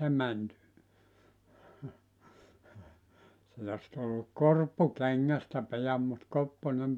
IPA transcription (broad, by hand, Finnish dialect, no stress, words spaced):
ne mæn sit os tulːuk korpːu keŋːæstæ pijɑm mut kopːonem